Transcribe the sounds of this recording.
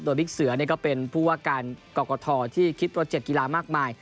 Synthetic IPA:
d̪oː˧li˦˥k̚sɯ˩˦ɐni˥˩kɔ˥˩pe˧npʰuː˥˩waː˥˩kaː˧nkɔː˨˩kɔː˧t̪ʰɔː˧t̪ʰiː˥˩kʰi˦˥t̪̚ɾoː˦˥t͡ɕe˨˩t̪̚ki˧laː˧maː˥˩k̚maː˧j

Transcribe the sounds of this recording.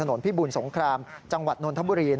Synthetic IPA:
a˧no˩˦npʰiː˦˥˩buː˧nso˩˦ŋkʰɾaː˧mt͡ɕa˧ŋwa˨˩t̪̚noː˧nt̪ʰa˦˥buː˧ɾiː˧n

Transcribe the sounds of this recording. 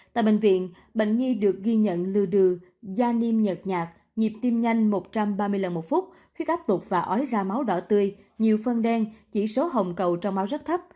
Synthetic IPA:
t̪a̰ː˧˨jɓḛ˧˨ŋ̟vḭ˧˨ən | ɓḛ˧˨jŋ̟ŋi˧ɗɨ˨˩ək̚ɣi˧ɲə̰˧˨nlɨ˧˩əɗɨ˨˩ | zaː˧ni˧mɲə˨˩t̚ɲaː˨˩k̚ | ɲi˨˩p̚t̪i˧mɲa˧jŋ̟mo˨˩t̚t͡ɕa˧mɓaː˧mɨ˧əjla˨˩nmo˨˩t̚fu˦˥t̚ | hʰwi˦˥k̚ʔaː˦˥p̚t̪ʊ˨˩k͡p̚vaː˨˩ʔɔ˨˦jzaː˧ma˨˦wɗɔ˧˩t̪ɨ˧əj | ɲi˨˩əwfə˧nɗɛ˧ŋt͡ɕi˧˩so˨˦ɦə˨˩wŋ͡mkə˨˩wt͡ɕɔ˧wŋ͡mma˨˦wzə˦˥t̚t̪ʰə˦˥p̚

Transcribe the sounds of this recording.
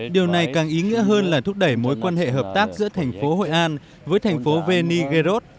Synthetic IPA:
ɗi˨˩əwna˨˩jkaː˨˩ŋʔi˨˦ŋḭ˧˥əɦəː˧nlaː˨˩t̪ʊ˦˥k͡p̚ɗə˧˩jmo˨˦jkwaː˧nhḛ˧˨ɦəː˨˩p̚t̪aː˦˥k̚zɨ̰˧˥ət̪ʰɛ˨˩jŋ̟fo˨˦ɦo̰˧˨jʔaː˧n | vəː˨˦jt̪ʰɛ˨˩jŋ̟fo˨˦ve˧ni˧ɣe˧zo˦˥t̚

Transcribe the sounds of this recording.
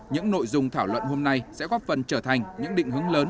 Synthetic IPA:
ɲɨ̰˧˥ŋno̰˧˨jzʊ˨˧ŋ͡mt̪ʰaː˧˩wlwə̰˧˨nho˧mna˧jsɛ̰˧˥ɣɔ˦˥t̚fə˨˩nt͡ɕəː˧˩t̪ʰa˨˩jŋ̟ɲɨ̰˧˥ŋɗḭ̈˧˨ŋ̟ɦɨ˨˦əŋləː˨˦n

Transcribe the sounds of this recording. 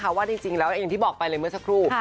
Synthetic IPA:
kʰa˧˩waː˥˩i˧ŋt͡ɕi˧ŋlɛː˦˥wjŋt̪iː˥˩bɔː˨˩k̚pa˧jlɤ˧jmɯ˥˩əsa˦˥kʰɾuː˥˩

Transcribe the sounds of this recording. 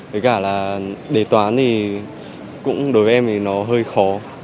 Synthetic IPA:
ɓə˨˦jkaː˧˩laː˨˩ɗe˧˩t̪waː˨˦nt̪ʰi˨˩ | kʊ̰˧˥ŋ͡mɗo˨˦jvə˨˦ʔɛ˧mt̪ʰi˨˩nɔ˨˦ɦəː˧jxɔ˨˦

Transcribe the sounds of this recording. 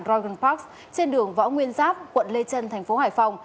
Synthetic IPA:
nzɔ˧ɣə˧˩npa˦˥k̚s | t͡ɕe˧nɗɨ˨˩ə˩ŋvɔ̰˧˥ŋwi˧ənzaː˦˥p̚kwə̰˧˨nle˧t͡ɕə˧nt̪ʰɛ˨˩ŋ̟fo˨˦haː˧˩jfa˧wŋ͡m

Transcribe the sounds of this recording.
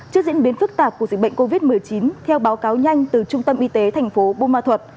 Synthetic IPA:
t͡ɕɨ˦˥əkz̰ənɓi˨˦ənfɨ˦˥k̚t̪aː˨˩p̚kəzï˨˩ɓə̰˧˨ŋ̟ko˧vi˦˥t̚mɨ˨˩əjt͡ɕi˨˦nt̪ʰɛ˧wɓaː˨˦wkaː˨˦wɲa˧jŋ̟t̪ɨ˨˩t͡ɕʊ˧ŋ͡mt̪ə˧mʔi˧t̪e˨˦t̪ʰa˨˩ŋ̟fo˨˦ɓo˧maː˧t̪ʰwə˨˩t̚

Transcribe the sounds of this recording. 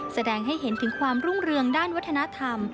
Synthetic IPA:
sa˧dɛː˧ŋɦa˥˩jɦe˩˦nt̪ʰɯ˩˦ŋkʰwaː˧mɾu˥˩ŋɾɯ˧əŋdaː˥˩nwa˦˥t̪ʰːa˧na˦˥t̪ʰa˧m

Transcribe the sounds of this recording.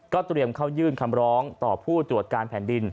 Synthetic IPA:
kɔː˥˩t̪ɾi˧əmkʰa˥˩wjɯː˥˩nkʰa˧mɾɔː˦˥ŋt̪ɔː˨˩pʰuː˥˩t̪ɾu˨˩ət̪̚kaː˧npʰɛː˩˦ndi˧n

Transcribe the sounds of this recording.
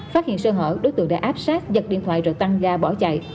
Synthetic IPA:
faː˦˥t̚hḭ˧˨ənsəː˧ɦə̰ː˧˩ɗo˨˦jt̪ɨ˧əŋɗa̰ː˧ʔaː˦˥p̚saː˦˥k̚zə˨˩t̚ɗḭ˧˨nt̪ʰwa̰ː˧˨jzɔ˨˩t̪a˧ŋzaː˧ɓɔ˧˩t͡ɕa̰˧˨j

